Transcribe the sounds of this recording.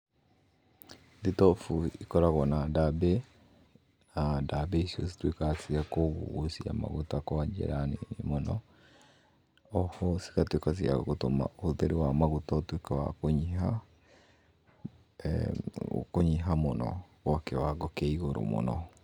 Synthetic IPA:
ditɔfuikɔɾaɣɔnadabɛ | nadabɛisosi̥twekasiakoβṵosia̰ma̰ɣutakɔad͡ʒɛ̰ɾanḛnimɔnɔ | ɔhɔsi̥katwekas̬ia̰ɣotoma̰ohoðeɾewamaɣutatwekawa̰koɲiɦa | koɲiɦamonɔ̰wɔkɛwaɡɔkɛiɣoɾo̰mo̰nɔ̰

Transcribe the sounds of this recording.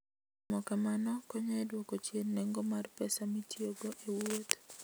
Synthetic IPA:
mɔkamanɔkɔɲɛdwokɔt͡ʃjenːɛŋɡɔmarpɛsamitjoɡoʔewot̪

